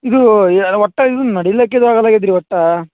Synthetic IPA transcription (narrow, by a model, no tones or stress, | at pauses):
id̪uʋɔʈːɐid̪unnɐɽilːeːk̬ːeid̪uaːɡɐlːaːɡid̪iɾiʋɔʈːɐ